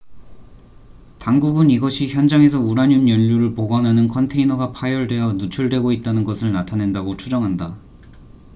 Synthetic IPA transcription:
taŋɡuɡɯniɡʌɕʰiçjʌnd͡ʑaŋe̞s̬ʰʌuɾaɲunjʌʎːuɾɯɭpoɡʌnɦanɯnkʰʌntʰe̞inʌɡapʰajʌɭdwe̞jʌnut͡ɕʰuɭdwe̞ɡoit̚t͈anɯnɡʌsʰɯɭnatʰane̞ndaɡot͡ɕʰud͡ʑʌŋɦanda

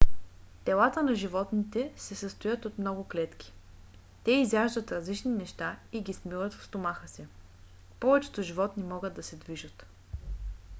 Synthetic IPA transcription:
t̪ɛlˠat̪ənɐʒivɔt̪nit̪ɛsɛsəst̪ojət̪ot̪mnɔɡʊklɛt̪k̟ʲi̥ | t̪ɛizjaʒd̪ət̪ɾɐzlit͡ʃninɛʃt̪aiɡʲismilˠət̪fst̪omaxəsɛ | pɔvɛt͡ʃɛ̥t̪oʒivɔt̪nimɔɡəd̪ɐsɛd̪viʒət̪

